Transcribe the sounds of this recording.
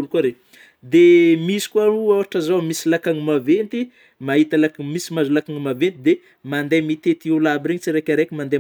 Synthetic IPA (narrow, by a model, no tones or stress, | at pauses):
ulukaɾe | d̪emisi̥kwauawaʈ͡ʂazomisilakaŋimavent̪i | maɦit̪alakmisimazulakaŋimavent̪id̪e | mand̪emit̪et̪iulabiɾeɲit͡siɾekʲaɾekʲimand̪e